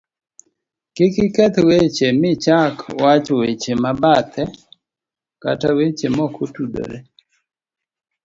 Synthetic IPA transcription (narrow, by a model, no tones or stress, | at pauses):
kɪkɪkɛt̪wet͡ʃemɪt͡ʃakwat͡ʃɔwet͡ʃemabat̪ʰɛ | ka̰tawet͡ʃemɔkʰotudo̰ɾe